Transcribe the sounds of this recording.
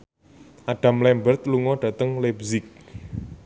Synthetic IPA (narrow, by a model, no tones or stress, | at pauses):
ʔaɖ̥ä̤mlɛmbərt̪luŋɔɖ̥ä̤t̪əŋlebzɪk̚